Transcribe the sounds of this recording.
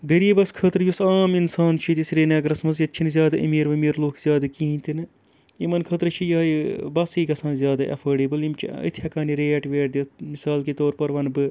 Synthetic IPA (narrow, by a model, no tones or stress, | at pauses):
ɡɐɾiːbɐskʰəːt̪ɾɨjusaːminsaːnt͡ʃʰit̪isɾeːnɐːɡɾɐsmɐzjɐt̪t͡ʃʰinizʲjaːd̪ɐʔɐ̰miːɾʋɐmiːɾloːkʰzʲjaːd̪ɐkiːinʲt̪inɨ | imɐnkʰɐːt̪ɾɨt͡ʃʰijɐːjibɐsiːɡɐsãːnzʲjaːd̪ɐʔɐ̰fʰɐːɖeːbɨlimt͡ʃḭḭt̪ʰjɐkaːniɾeːɐʈʋeːʈ̚d̪it̪ʰmisaːlkit̪oːɾpɐɾʋɐnbɨ